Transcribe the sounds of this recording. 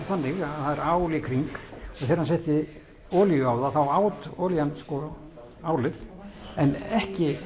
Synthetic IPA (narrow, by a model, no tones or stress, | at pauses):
ɾθanːɪɣaðθaðɛɾaːwlɪkʰɾiŋkɔθɛːɾhansɛht̪ɪ | ɔːljjʏaːwðaθawaːwt̪ɔːljanskɔ | aːwlɪθɛnɛhcɪ